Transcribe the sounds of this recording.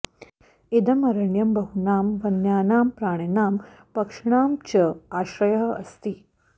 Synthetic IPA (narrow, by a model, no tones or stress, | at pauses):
id̪ɐmɐɾɐɳjɐmbɐɦunaːmʋɐnjaːnaːmpɾaːɳ̃ɐnaːm | pɐkʂɳaːmt͡ɕɐaːʃɾɐjɐɦɐɐ̰st̪iː